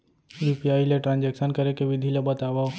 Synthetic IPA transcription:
jupijaːileʈɾãːnd͡ʒɛkʃənkɐɾekeʋɪd̪ʱilebət̪aːʋao

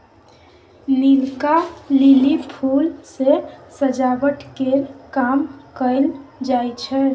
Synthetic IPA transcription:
lilkalilipʰulsesəd͡ʒaɡəʈkeɾkamkəjld͡ʒajt͡ʃʰɛ

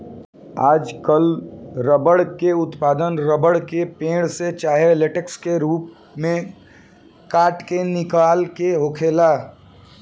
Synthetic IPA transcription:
aːd͡ʒkəlɾəbəɽkeʊt̪paːd̪ənɾəbəɽkepẽːɽ̃set͡ʃaːɦeleʈəkskeɾuːp̚ | mẽ | kaːʈkenɪkaːlkeɦokʰeːlaː

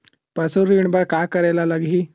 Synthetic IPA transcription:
pəsuɾiɳbəɾkajkəɾajlalaɡɦi

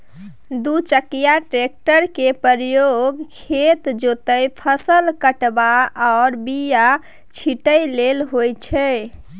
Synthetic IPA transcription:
d̪ut͡ʃəkijaʈɾek̚ʈəɾkepəɾjoɡkʰet̪d͡ʒot̪əjpʰəsəlkəʈbaɔʊɾbija | t͡ʃʰiʈəjlelɦojt͡ʃʰɛ

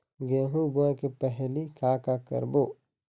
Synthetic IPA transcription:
ɡeːɦuɡõkepɛɦlikaːkakə̰ɾboː

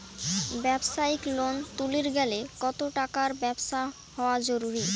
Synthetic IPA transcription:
bɛbʃaiklont̪uliɾɡɛlekɔt̪oʈakaɾbɛbʃa | hɔoad͡ʑoɾuɾi

